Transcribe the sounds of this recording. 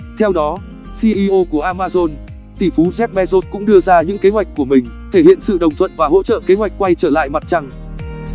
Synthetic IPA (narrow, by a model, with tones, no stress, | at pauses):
t̪ʰɛ˧wɗɔ˨˦ | si˧ʔi˧ʔo˧ku˧˩əʔaː˧maː˧zo˧n | t̪i˧˩fu˨˦zɛ˦˥p̚ɓɛ˧zo˦˥t̚kʊ̰˧˥ŋ͡mɗɨ˧əzaː˧ɲɨ̰˧˥ŋke˨˦ɦwa˨˩jk̚kːu˧˩əmï˨˩ŋ̟t̪ʰe˧˩hḭ˧˨ənsɨ̰˧˨ɗə˨˩wŋ͡mt̪ʰwə̰˧˨nvaː˨˩ɦo̰˧˥t͡ɕə̰ː˧˨ke˨˦ɦwa˨˩jk̟̚kwa˧jt͡ɕəː˧˩la̰ː˧˨jma˨˩t̚t͡ɕa˧ŋ